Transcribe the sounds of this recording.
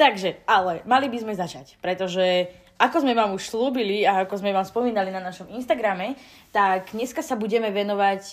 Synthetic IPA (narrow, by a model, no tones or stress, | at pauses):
t̪aɡʒɛalɛmalibizmɛzat͡ʃacpɾɛt̪ɔʒɛ | ʔakɔzmɛʋamuʃsluːbiliaːkɔzmɛʋaːmspɔmiːnalinanaʃɔminʃt̪aɡɾamɛ | t̪aɡɲɛskasabuɟɛmɛʋɛnɔʋac